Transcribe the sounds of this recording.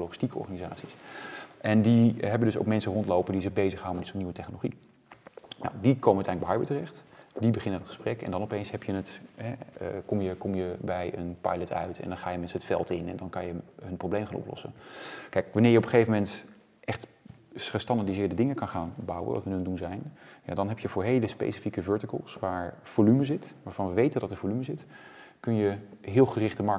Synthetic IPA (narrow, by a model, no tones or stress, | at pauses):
loχɪstikəɔ̰ɹχanizaːtsisʔɛndiɦɛbəndɵso̰wkmɛnsərɔntlowpəndizɪɣbejzəχhawəmɛdɪtsoniʋətɛχnoloχi | na̰wdikʰowməətɛ̰ləɡbɛjɦɑjbətərɛχtdibəχɪnəndɔtχə̥sprɛkɛ̰ndɑnɔpejnsɦɛpjənətɦɛ̰kɔmjəkɔmjəbɛjə̰npɑ̰jlətʰœ̰ɥtʰɛ̰ndɑnχaːjəmɛnsəətfɛ̰lˠtɪnɛ̰ndɔnkɑnjəɦənprowblejmχaːnʔɔ̰plɔ̰sə̰nkɛjkʋɑnɪːɹjəɔpəχejvəmɛnt | ʔɛχt | χəstɑndadizɪːɹdədɪŋəkɑnχaːnbɑwə̰ʋ̰tʋənəndunzɛjnja̰dɑnɦɛpjəvʊːɹɦejləspḛjsi̥fikəvøːɹtɪkə̰lˠsʋaːɹv̥olyməzɪtʋaːɹv̥ɑnʋəʋejtəndɑtəɹvolyməzɪtkɵnjəɦɪːlˠχərɪχtəmɑɹ